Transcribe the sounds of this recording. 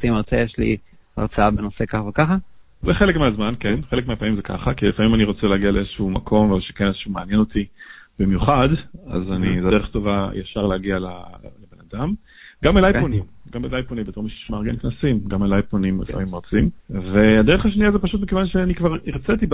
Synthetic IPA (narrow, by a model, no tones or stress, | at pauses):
simaʁt͡sejeʃlḭ | a̰ʁt͡saabenosekaχavekaχa | zeχelekmeazmankenχelekmeapamimzekʰa̰χakilefamimaniʁo̞t͡seleaɡialeezeʃuumakʰo̞mvezʃekeneze̥ʃumeanjeno̞tib̥imjuχada̰zanizedeχto̞vaja̰ʃaʁleaɡiala̰lebenadam | ɡambelajonimɡambelajponimbet̪oʁmiʃʃmaʁɡenknasimɡamelajponimlḛfa̰mimʁot͡simveadeʁeχaʃ̬niazepaʃut̪̚bikevanʃeanikvaʁiʁt͡set̪ib